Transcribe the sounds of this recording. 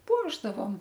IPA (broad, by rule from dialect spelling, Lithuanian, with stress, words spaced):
ˈpuɔʒdɐʋoːm